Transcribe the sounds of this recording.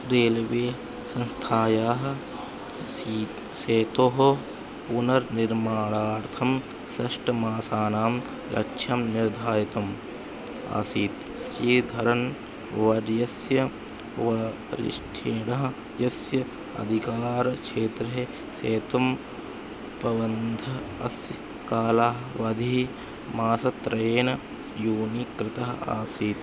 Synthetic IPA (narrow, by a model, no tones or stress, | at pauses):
ɾeːlʋeː | sɐ̃nst̪ʰaːjaːɦ | seːt̪oɦo | punɐɾniɾmaːɽaːɾt̪ʰɐm | sɐʂʈɐmaːsaːnaːm | ɾʔɐ̰kʃʰɐmniɾd̪ʱaːjit̪ɐm | a̰siːt̪ | sjeːd̪ʱɐɾɐn | ʋɐɾjɐsjɐ | ʋɐ | ɾḭʂʈʰeːnɐɦɐ | jɐsjɐ | ɐ̰d̪ʱikaːɾɐkʂeːt̪ɾɐɦe | seːt̪ɐm | pɐʋɐnd̪ʱɐ | ɐsj | kaːlaːɦʋɐd̪ʱi | maːsɐt̪ɾɐjeːnɐ | juːnikɾɪt̪ɐɦɐa̰ːsiːt̪